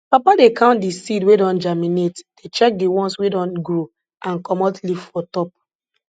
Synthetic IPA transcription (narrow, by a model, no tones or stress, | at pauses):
papadekãʊ̃ntdisidwedɔ̃nd͡ʒaminetd̥et͡ʃɛk̚diwɔ̃nswedɔ̃nɡɹo | ãnkɔmɔtlivfɔtɔp̚